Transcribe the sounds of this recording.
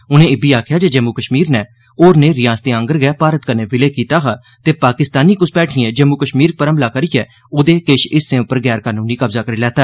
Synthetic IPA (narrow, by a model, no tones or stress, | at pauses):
ʊnẽːɪbiːaːkʰjaːd͡ʒeːd͡ʒəmuːkəʃmiːɾnɛː | oːɾneːɾɪjãːst̪eːə̃ŋɡəɾɡɛːpaːɾət̪kənẽːʋɪleːkiːt̪aːɦaː | t̪eːpaːkɪst̪aːniːkʊsbɛːʈʰɪɛ̃ːd͡ʒəmuːkəʃmiːɾ̚pəɾəməlaːkəɾiːɛː | oːd̪eːkeʃɪsːẽːʊpːəɾɡɛːɾkaːnũːniːkəbzaːkəɾiːlɛːt̪aː